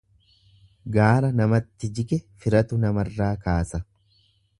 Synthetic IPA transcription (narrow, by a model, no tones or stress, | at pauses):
ɡaːɾɐnɐmɐt̪ːɪd͡ʒɪkɛfɪɾɐt̪ʊnɐmɐrːaːkaːsɐ